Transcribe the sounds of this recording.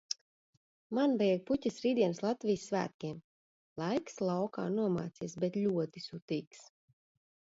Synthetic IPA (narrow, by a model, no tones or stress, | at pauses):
manbɛjɡ̚putʲasɾiːd̪ʲiɛnslˠat̪vʲijsːvæ̰ːt̪̚kʲiɛm | lˠajkslˠawka̰ːnuɔma̰ːt̪siɛsbɛt̪lʲuɔt̪isut̪iːks